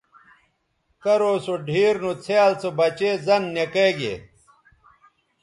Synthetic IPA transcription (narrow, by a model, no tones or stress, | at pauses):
kɐɾoːsoɖʱiːɾnut͡sʰeaːlt͡sobɐt͡ɕeːzɐnːekeɡḛ